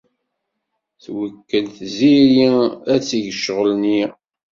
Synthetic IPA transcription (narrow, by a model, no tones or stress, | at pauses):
θwəkːəlθziɾiæt͡sːiʝəʃəʁəlni